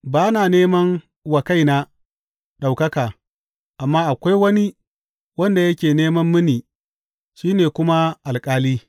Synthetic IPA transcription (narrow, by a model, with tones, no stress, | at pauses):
baː˦naː˨neː˦mɐ˦ŋ | wɐ˨ka˦jna˦ | ɗa˨wkɐ˦kaː˨ | ʔa˨mːaː˦ʔa˨kʷa˦jwɐ˦ni˦ | wɐ˦nda˨jɐ˦kʲeː˨neː˦mɐ˦mːɪ˦niː˨ | ʃiː˦neː˨kʷʊ˦ma˦ʔa˨lkʼaː˦liː˦